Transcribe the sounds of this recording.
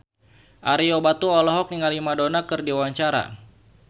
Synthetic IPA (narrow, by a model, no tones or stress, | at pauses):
ʔaɾiɔbat̪uɔlɔɦɔk̚niŋalimadonakɨrdiwaɲt͡ʃaɾa̰